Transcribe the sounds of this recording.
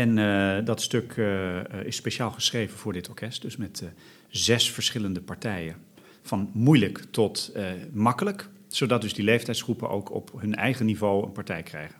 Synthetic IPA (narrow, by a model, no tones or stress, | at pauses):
ɛndɑtstøkʰ | ɪspeʃaːlˠχəsχrejvənvʊːɹdɪtʰɔɹkɛst̚dɵsmɛt | zɛsfəɹsχɪləndəpaɹtɛjən | v̥ɑnmujləktɔtmɑkələk | sowdɑt̚dɵzdilejftɛjtsχrupəno̰wkʰɔ̰pɦɵnɛ̰jχənivowə̰npaɹtɛjkrɛjχən